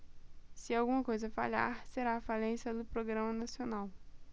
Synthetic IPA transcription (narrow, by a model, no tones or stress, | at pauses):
sɪawɡũmɐkojzɐfa̰ʎa̰ɾseɾaːfalẽsɐd̪ʊpɾoɡɾɐ̃mɐnasionaw